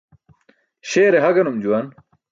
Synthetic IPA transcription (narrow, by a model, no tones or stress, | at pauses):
ɕeːɾeɦɐɡɐnumd͡ʑuwan